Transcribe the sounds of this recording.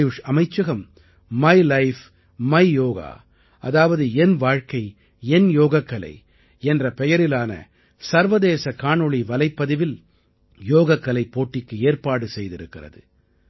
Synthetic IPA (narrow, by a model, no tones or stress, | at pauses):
jʊʂɐmɐɪt͡ʃːɐɣɐm | mɐɪlɐɪf | mɐɪjoːɣa̰ː | ʔɐ̰ðaːʋɐðɯɛnʋaːɻkɐɪ | ɛnjoːɣɐkːɐlɐ̰ɪ | ɛndrɐpɛjɐɾɪlaːnɐ̰ | sɐɾʋɐðeːsɐkaːɳɯɭiʋɐlɐɪpːɐðɪʋɪl | joːɣɐkːɐlɐɪpːoːʈːɪkːɯeːrpaːɽɯsɛjðɪɾɯkːɪrɐ̰ðɯ̰